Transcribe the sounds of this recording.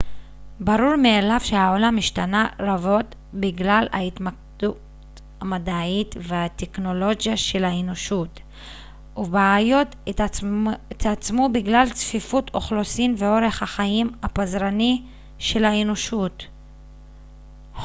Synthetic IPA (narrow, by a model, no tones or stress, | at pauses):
baɾuɾmeːlavʃe̞haolamiʃtanaɾavo̞t | biɡlala̰it̪mak̚d̥u | t | amadaitvehat̪ekno̞lo̞ɡjaʃe̞lhaeno̞ʃut | ubaːjo̞t | t̪at͡smubiɡlalt͡sfifutʰoχlo̞simveo̞ɾe̞χhaχaimapazɾani | ʃe̞lhaeno̞ʃut